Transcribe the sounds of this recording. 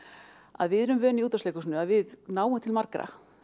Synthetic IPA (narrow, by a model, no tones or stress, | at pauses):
a̰ðvɪðɛɾʏmvœːniuːt̪asleːkʏsnʏaðvɪðnaːwʏmt̪ʰɪlmaɾkɾa̰